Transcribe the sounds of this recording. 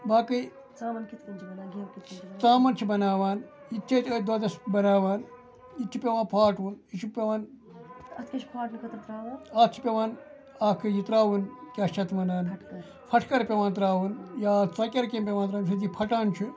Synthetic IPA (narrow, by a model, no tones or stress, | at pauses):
baːkɨ | ɐnkit̪ɐnɡikit͡saːmɐnt͡ʃʰibɐnaːʋaːn | it̪ʰːɐt̪əd̪ɐd̪ɐsbɐnaːʋaːn | it̪ʰːipʲeʋãːnpʰaːʈunit͡ʃʰupʲeʋaːn | ɐt̪kʲɐt͡ʃʰpʰaːʈnɨkʰɐt̪ɐt̪ɾaːʋaːnɐt͡ʃʰi̥pʲeʋaːn | aːkʰɨjit̪ɾaːʋunkʲɐːt͡ʃʰɐt̪ʰmɐnaːnʈɐ | pʰɐʈʰkɐɾpʲeʋaːnt̪̬ɾaːʋunjaːt͡sɐkʲɐɾkeːmpʲeʋaːnt̪ɾaːnsʰɐd̪ipʰɐʈaːnt͡ʃʰu